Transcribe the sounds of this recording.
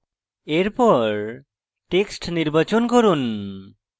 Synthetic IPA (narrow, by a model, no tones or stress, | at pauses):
eɾpɔɾ | ʈeksʈniɾbat͡ʃonkoɾun